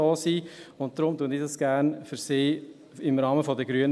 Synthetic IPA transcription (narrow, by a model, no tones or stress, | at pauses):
ɔːsiːʊnt̚d̥̪ɾʊmtuəndidɑsɡ̥æːɾnfʏɾsiː | ɪmɾɑːməfɔdəɡɾyən